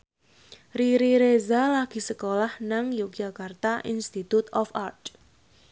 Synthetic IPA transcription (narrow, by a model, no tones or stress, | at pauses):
riɾiɾezalaɡ̥i̤səkolahnaŋjuk̚d͡ʒakart̪aʔḭnst̪it̪ut̪ɔfart̪